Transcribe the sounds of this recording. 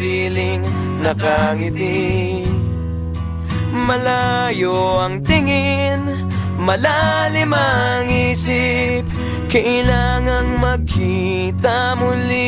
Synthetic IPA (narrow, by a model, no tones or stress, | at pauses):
ilɪŋ | nɐkaŋɪt̪i | mɐlajoɐŋt̪ɪŋɪn | mɐlalɪmɐŋiːsi | p̚ | kɐʔɪlaːŋɐŋmɐɡ̚kʰi | t̪a | mʊli